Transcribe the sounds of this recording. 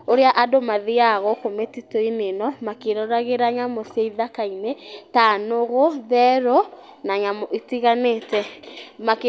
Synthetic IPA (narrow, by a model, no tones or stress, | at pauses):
oɾeaʔadomaðiaɣɔkometitoinenɔmakeɾɔɾaɣeɾaɲamoseiðakainetanoɣoðɛɾo | naɲamoʔitiɣanetɛmak